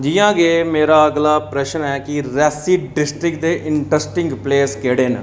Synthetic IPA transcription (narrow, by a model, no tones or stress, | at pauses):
d͡ʒijãːɡeːmeːɾaːəɡlaːpɾɛʃənɛːkɪɾɛːsiːɖɪsʈɾɪkd̪eːʔɪɳʈɾəsʈɪ̃ŋɡpleːskeːɽeːn